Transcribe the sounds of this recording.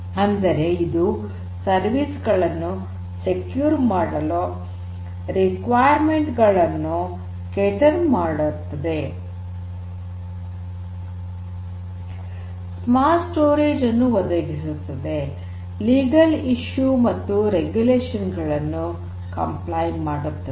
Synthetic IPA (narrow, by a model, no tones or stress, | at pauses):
ɐnd̪ɐɾe̞id̪u | sɐɾʋisɡɐɭɐnːu | sekjuːɾmaːɽɐloː | ɾikʋaːjɐɾme̞ɳʈɡɐɭɐnːu | keʈɐɾmaːɽut̪ːɐd̪e̞ | smaːsʈoːɾeːd͡ʒɐnːuʋɔd̪ɐɡisut̪ːɐd̪e̞ | liːɡɐliʃjumɐt̪ːuɾeɡjuleːʂɐnɡɐɭɐnːu | kɐ̰mplɐjmaːɽut̪ːɐ